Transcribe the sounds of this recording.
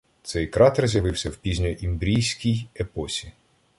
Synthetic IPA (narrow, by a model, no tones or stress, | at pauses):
t̪sɛjkɾɑt̪ɛrzʲjɐʋɪwsʲɐwpʲizʲnʲɔʔimbɾʲijsʲkʲijepɔsʲi